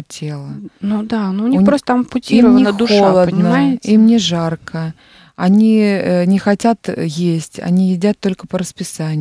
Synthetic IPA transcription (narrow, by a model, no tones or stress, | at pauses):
tʲʰe̞lˠənud̪anunʲipɾost̪ət̪ampʊtʲiiɾənʲɪnd̪ʊxolˠədənʲɪmaɪɪimnʲɪʐarkʰə | ɐnʲiənʲɪxɐtʲat̪jesʲtʲɐ̰nʲijɪdʲat̪ːo̞lʲkə̥pəɾəspʲɪsanʲɪ